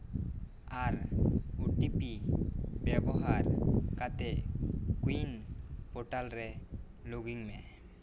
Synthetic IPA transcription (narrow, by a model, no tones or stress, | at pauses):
aɾuʈipibɛbɔɦaɾkat̪ɛkuinpɔʈalɾɛ | loɡiŋmɛ